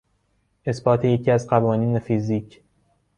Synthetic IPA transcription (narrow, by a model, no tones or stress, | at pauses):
ʔe̞sbɒːt̪ʰeje̞cʰiːæzɢævɒːniːnefiziːcʰ